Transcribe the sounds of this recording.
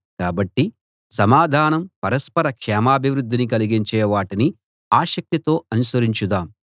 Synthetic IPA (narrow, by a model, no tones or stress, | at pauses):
kaːbɐʈːi | sɐmaːd̪ʱaːnɐmpɐɾɐspɐɾɐkʂɛːmaːbʱiʋɾud̪ʱːinikɐliɡiɲt͡ʃɛːʋaːʈini | aːʃɐk̚t̪it̪o̞ːɐnusɐɾiɲt͡ʃud̪aːm